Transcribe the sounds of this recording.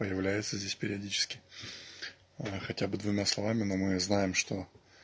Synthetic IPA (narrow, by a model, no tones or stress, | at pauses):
əjɪvlʲæjɪt̪səzʲdʲesʲpʲɪɾʲɪɐdʲit͡ɕɪ̥skʲɪ̥ | xɐtʲabɨd̪vʊmʲaslˠɐvamʲɪnomɨznajɪmʂt̪o̞